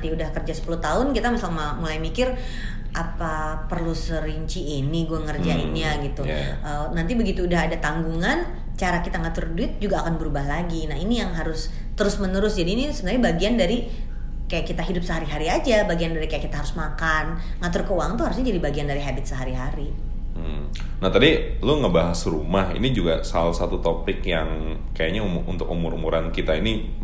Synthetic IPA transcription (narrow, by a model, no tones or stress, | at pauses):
t̪iudahkərd͡ʒasə̥pulʊht̪aʊnkit̪amisalm | mulajmikɪr | ʔapa | pərlusəɾiɲt͡ʃiːniɡuaŋərd͡ʒaḭnɲaɡit̪u | ʔəːnant̪ibəɡit̪uːdaɦadat̪aŋɡuŋan | t͡ʃaɾakit̪aŋat̪ʊrduɪt̪̚d͡ʒuɡaːkanbəɾubahlaɡinaɦinijaŋɦaɾʊs | t̪əɾʊsmənəɾʊsd͡ʒadiːnisəbənarɲabaɡiandaɾi | kajaʔkit̪aɦidʊp̚səɦaɾiɦaɾiad͡ʒabaɡiandaɾikajakit̪aɦaɾʊsmakan | ŋat̪ʊrkəuwaŋnt̪uɦaɾʊs̬ɲad͡ʒadibaɡiandaɾiɦabɪt̪̚səɦaɾiɦaɾi | m̩ | naht̪adiluŋəbaɦasɾumahḭnid͡ʒuɡasalasat̪ut̪opɪkjaŋ | kajaɲaumṵnt̪ʊkumʊɾumuɾankit̪aini